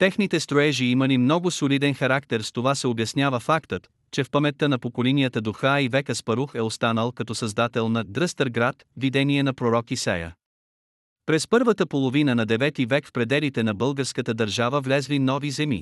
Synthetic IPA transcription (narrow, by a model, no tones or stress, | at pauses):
t̪ɛxnit̪ɛst̪ɾoɛʒiiməlimnɔɡʊsolid̪ɛnxɐɾakt̪ɛɾst̪ovasɛobjɐsnʲjavəfakt̪ət̪ | t͡ʃɛfpɐmɛt̪ːənɐpokolɛnijət̪əd̪ʊxaivɛkəspɐɾuxɛost̪anəlˠkɐt̪ɔsɐzd̪at̪ɛlˠnɐd̪ɾəst̪əɾɡɾat̪vid̪ɛniɛnɐpɾoɾɔkisɛ̰jə̰ | pɾɛspɤɾvət̪əpolˠovinənɐd̪ɛvɛt̪ivɛkfpɾɛd̪ɛlit̪ɛnɐbɤlˠɡəɾskət̪əd̪əɾʒavəvlʲɛzlinɔvizɛmḭ